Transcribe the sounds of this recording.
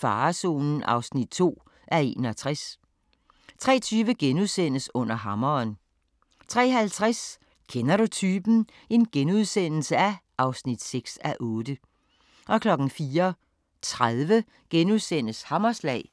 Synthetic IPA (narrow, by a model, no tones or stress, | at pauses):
fɑ̈ːso̝̰ːnn̩ʔɑ̈ʊsnid̥̚t͡sʰo̝̰ː | ʔæɐe̝ːnɒ̽t͡sʰʁas | t͡sʰʁɛ̰ːt͡sʰyːʋəɡ̥enuðˠsen̰əsɔ̽n̰ɐɦɑ̈mɐn | t͡sʰʁɛ̰ːhælt͡sʰʁas | kʰenɐɾut͡sʰyːb̥n̩ | e̝nɡ̥enuð̞ˠsen̰l̩səæʔɑ̈ʊsnid̥seɡ̥sæʔɔ̽ːd̥ə | ʔɒ̽kʰlɒ̽ɡ̥n̩fiːɐ | t͡sʰʁaðˠʋə | ɡ̥enuðˠsen̰əshɑ̈mɐslɛ̰ː